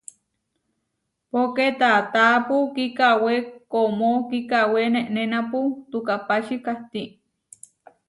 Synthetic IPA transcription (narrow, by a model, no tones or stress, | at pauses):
poket̪at̪aːpukikaweomokikaweneʔnenaput̪ukapaʃikaht̪iʔ